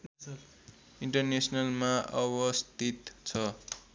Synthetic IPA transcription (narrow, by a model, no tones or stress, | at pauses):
iɳʈʌrnesnʌlmaʔʌbʌst̪it̪t͡sʰʌ